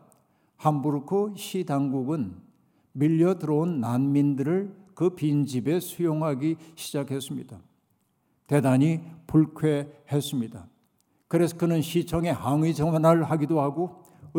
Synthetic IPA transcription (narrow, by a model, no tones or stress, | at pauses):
hambuɾkʰoɕʰidaŋɡuɡɯn | miʎːʌdɯɾʌonːanmindɯɾɯɭkɯpind͡ʑibe̞sʰujoŋɦaɡiɕʰid͡ʑakʰe̞s͈ɯmɲida | te̞daɲipuɭkʰwehe̞s͈ɯmɲida | kɯɾe̞sʰʌkɯnɯnɕʰit͡ɕʰʌŋe̞haŋid͡ʑʌŋʌnaɭhaɡidohaɡo | ɯ